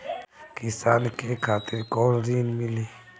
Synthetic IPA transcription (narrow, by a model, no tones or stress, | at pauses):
kɪsaːnkekʰaːt̪ɪɾkɔːlɾiːnmɪliː